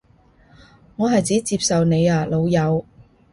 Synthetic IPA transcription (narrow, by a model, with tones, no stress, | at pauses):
ŋɔː˨˧ɦɐ˨jt͡siː˨˥t͡siː˧p̚sɐ˨wne˨˧jaː˨lo˨˧wjɐ˨˧w